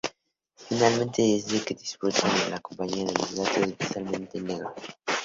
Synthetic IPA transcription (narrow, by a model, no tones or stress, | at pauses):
finalmẽnt̪eːsdeked̪ispot̪ãnelakõmpaɲiaðelozðat̪ozevisalmẽnt̪eneɣɾo